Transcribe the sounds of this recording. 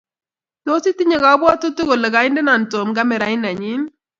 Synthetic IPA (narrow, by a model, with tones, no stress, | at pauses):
to˦ti˦ti˦ɲe˨ɡa˨˦bwɔ˦tʊ˦tu˦ɡo˨le˨ɡa˨ɪ˦ndɛ˦na˨nto˨mɡa˦mɛ˨ɾa˨ɪ˦na˨ɲɪ˦n